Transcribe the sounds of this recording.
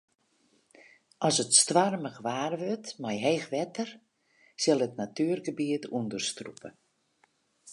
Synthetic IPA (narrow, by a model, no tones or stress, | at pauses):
ʔɔsətstʋarməɣʋaːrʋøtmajɦeːxʋɛtər | sɪlˠətnatyərɡəbiətʰundərstrṵpə